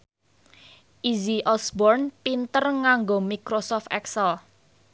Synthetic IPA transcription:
ʔiziʔɔsbɔrnpint̪ərŋaŋɡomikɾosɔft̪ɛksəl

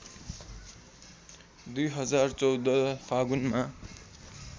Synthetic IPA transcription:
d̪ujɦʌd͡zart͡sʌwd̪ʌpʰaɡunma

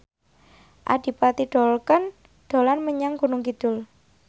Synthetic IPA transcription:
ʔa̰d̥i̤pat̪iɖ̥ɔ̤lkən | ɖ̪̥o̤lanməɲaŋɡunʊŋkid̪̥ʊ̤l

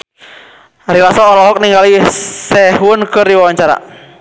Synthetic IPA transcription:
ɾilasɔːɾɔɦɔk̚niŋɡalisɛɦwʊnkəriwawaɲt͡ʃaɾa̰

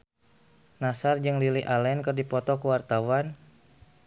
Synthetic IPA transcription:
nasard͡ʒɨŋliliʔalɛnkɨrdipɔt̪ɔkuwart̪awan

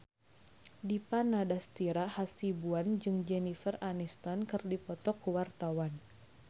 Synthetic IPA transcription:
dipanadast̪iɾahasibuand͡ʒɨŋd͡ʒɛnifəranist̪ɔnkɨrdipɔt̪ɔkːuwart̪awan

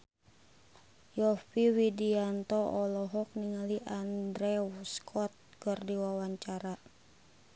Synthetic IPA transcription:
jɔfiwidiant̪ɔɔlɔɦɔk̚niŋaliʔandɾɛwskʰɔt̪̚kɨrdiwawaɲt͡ʃaɾa

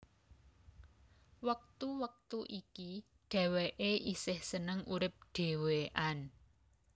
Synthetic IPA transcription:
wək̚t̪uwək̚t̪uʔiki | ɖ̥ɛ̤weʔeʔisɪhsənəŋuɾɪp̚ɖ̥e̤weʔan

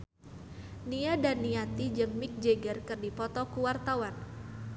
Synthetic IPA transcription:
niadanːiat̪id͡ʒɨŋmik̚d͡ʒeɡərkɨrdipɔt̪ɔkuwart̪awan

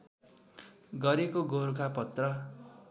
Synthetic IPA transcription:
ɡʌɾekoɡoɾukʰapʌt̪rʌ

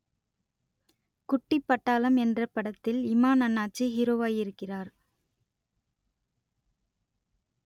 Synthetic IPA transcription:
kʊʈːɪpːɐʈːaːlɐmɛndrɐpːɐɽɐt̪ːɪlɪmaːnɐnːaːt͡ʃiɦɪɾoːʋaːjɪɾɯkːɪraːɾ

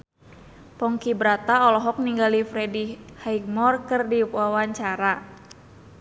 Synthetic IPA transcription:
pɔŋkibɾat̪aɔlɔɦɔk̚niŋɡalifɾɛdihaik̚mɔrkɨrdipawaɲt͡ʃaɾa

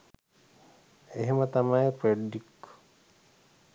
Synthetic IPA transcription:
eɦemət̪amajepɾeɖik

